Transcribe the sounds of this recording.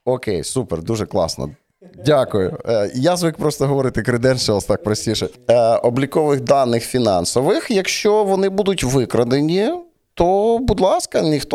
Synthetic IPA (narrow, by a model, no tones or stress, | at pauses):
ɔkɛjsupɛrd̪uʒɛklˠɑ̰snɔ̰ | dʲakʊjʊjazʋɪkpɾɔst̪ɔɦɔʋɔɾɪt̪ɪkɾɪd̪ɛnʃt͡ʃɛɔst̪ɑk̚pɾɔsʲtʲiʃɛɔblʲikɔʋɪxd̪ɑnːɪxfʲinɑnsɔʋɪxjɐkʃt͡ʃɔʋɔnɪbud̪ʊtʲʋɪkɾɐd̪enʲi | t̪ɔbud̪lˠɑskɐnʲixt̪